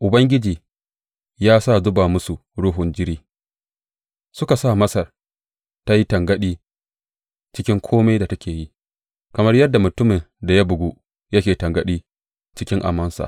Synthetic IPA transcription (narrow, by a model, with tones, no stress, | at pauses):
ʔʊ˨bɐ˦ŋɡʲɪ˦d͡ʒiː˨ | jaː˦sa˦˨zʊ˦baː˨mʊ˦su˨ɽuː˦ɦʊ˨nd͡ʒɪ˦ɾiː˦ | sʊ˦ka˨saː˦˨mɐ˦sɐ˨r | ta˦ji˦tɐ˨ŋɡɐ˦ɗiː˦ | t͡ʃɪ˦kʲɪ˦ŋkʷʰoː˦ma˦jda˨tɐ˦kʲeː˨ji˦ | kɐ˨mɐ˦rjɐ˦dːa˨mʊ˨tʊ˦mɪ˨nda˨ja˦bʊ˨ɡʷu˦ | jɐ˦kʲeː˨tɐ˨ŋɡɐ˦ɗiː˦ | t͡ʃɪ˦kʲɪ˦ŋʔa̰˨mɐ˦nsa̰˨